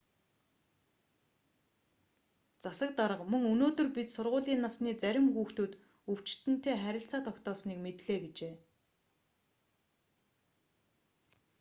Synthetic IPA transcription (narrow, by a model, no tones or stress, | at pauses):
t͡sasə̆k̚t̪aɾə̆qmɵŋɵnoːt̪ɵ̆rpit̪sʊrʁʊːɮiːnːasniːt͡sæɾʲɪ̆mxuːxt̪uːt̪ | ɵw̥t͡ɕt̪ɘ̆n̥t̪ʰeːχæɾʲɪ̆ɬt͡saːt̪ʰɔkt̪ɔːsniːkmet̪ɮeːɡet͡ɕeː